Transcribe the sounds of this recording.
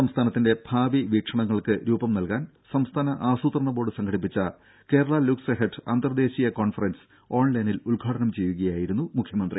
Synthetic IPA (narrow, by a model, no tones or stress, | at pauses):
sɐmst̪ʰaːnɐt̪ːinde̞b̥ʱaːʋiʋiːkʂɐɳɐŋːɐɭkɨɾuːbɐmnɐlkaːn | sɐmst̪ʰaːnɐʔaːsuːt̪rɐɳɐbo̞ːɽɨsɐŋɡʰʱɐɽip̬ːit͡ɕːɐ | ke̞ːɾɐɭaluksɐɦeʈʰɨa̰ːnd̪ɐrd̪e̞ːɕijɐko̞ːnfɐrens | o̞ːɳlɐjniluɭɡʱaːʈɐnɐmt͡ɕe̞jːuɣɐjaːjiɾunːumukʰjɐmɐnd̪ri